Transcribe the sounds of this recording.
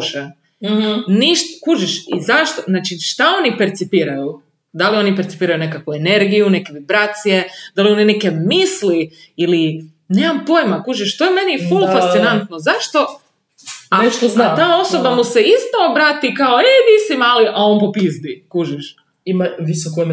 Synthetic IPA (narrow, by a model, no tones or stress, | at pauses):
ʃe | niʃt̪kuʒiʃḭzaʃt̪oznaːt͡ʃiʃt̪ao̞nipeɾt̪sipiːɾaju | d̪alio̞nipeɾt̪ipiːɾajune̞kakʋuene̞ɾɡijunekeʋibɾat̪sijed̪alio̞nineke̞misli | ili | neːmampo̞jmakuʒiʃt̪o̞jemenifulfast̪sinant̪nozaʃt̪o̞ | aeʃt̪oat̪aːo̞sobamuseist̪oobɾaːt̪ikaoed̪isimaliʔao̞npopizd̪ikuʒiʃ | imaʋisoko